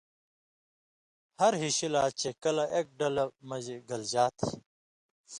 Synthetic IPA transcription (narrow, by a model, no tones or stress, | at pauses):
hɐɾɦiɕilaːt͡ɕekɐlɐʔeːk̚ɖɐlɐmɐd͡ʑeɡɐld͡ʑaːt̪ʰ